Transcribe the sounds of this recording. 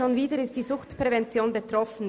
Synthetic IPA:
oːnviːdəɪst̚d̥iːzʊxtpʁ̥ɛvɛnt͡sjoːnbetʁ̥ɔfn̩

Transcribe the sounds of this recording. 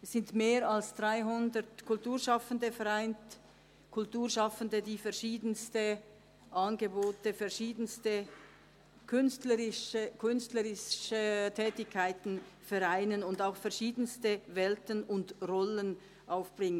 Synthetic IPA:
sɪntmeːʁalsd̥ʁaɪɦʊndəʁtkʰʊltuːɐʁʃɑfəndəfɛʁaɪnt | kʰʊltuːɐʃɑfəndədiːfɛɐʃiːdənstə | ʔanɡəboːtəfɛʁʃiːdənstə | kʰʏnstləʁɪʃəkʰʏnstləʁɪʃətʰɛːtɪçkʰːaɪtn̩fɛʁaɪnənʊndaʊxfɛɐʁʃiːdənstəvɛltənʊndʁɔlən | ʔaʊfb̥ʁɪŋən

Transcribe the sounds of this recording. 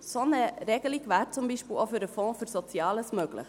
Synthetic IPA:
sonəɾɛɡəliɡvæːɾt͡sumbiʃpilʔofyɾəfɔ̃ːfyɾsɔt͡sjɑːləsmøɡ̥lə̰χ

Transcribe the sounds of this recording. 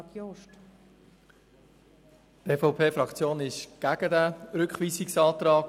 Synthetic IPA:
oʃt | tɛfɔʊpʰeːfɾɑkt͡sjoːnɪʃɡ̥æɡ̥ədæɾʏkχʋiːsiksɑːt̪ɾɑːk

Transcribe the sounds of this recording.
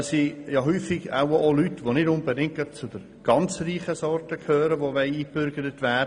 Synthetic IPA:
sijɑɦyːfɪɡa̰ʊolytʋonɪdʊnbedɪŋt̚œp̚t͡sʊd̥əɾ | ɡ̥ɑnt͡sriːχəsɔrtəkʰhøːɾəʋoʋɛɪiːb̥ʏɾɡəɾətʋæː

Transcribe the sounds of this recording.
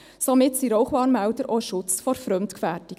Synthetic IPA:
somɪtsiɾɔʊχʋɑːnmæwdəɾʔoʃʊt͡sfɔɾfɾœmtkfæɾtɪ

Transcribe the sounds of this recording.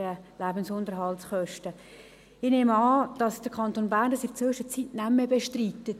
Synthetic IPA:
əlæbənsʊndəɾɦɑltsχœʃtə | ɪneːmɑːd̥ɑsd̥əɾkʰɑntoːnbæːɾndɑsɪft͡sʋʏʃət͡sitnæmːəbeʃtriːtːət

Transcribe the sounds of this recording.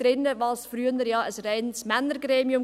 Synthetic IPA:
ɾɪnəvɑːlsfɾyːənəɾjɑːʔəsrɛɪnsmɛnəɾɡɾeːmiʊm

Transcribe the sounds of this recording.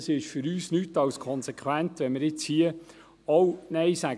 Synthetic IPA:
sɪʃfʏɾyːsnyːtːɑwskʰɔnsekʰwæntʋɛnmɪɾɪt͡shiə | ownɛɪsæɡ

